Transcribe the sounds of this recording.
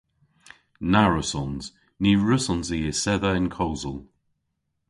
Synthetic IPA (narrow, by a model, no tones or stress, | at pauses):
naɹəsɔnz̥ | niɹəsɔnziːɪsɛðəɪ̃nkʰowzəlˠ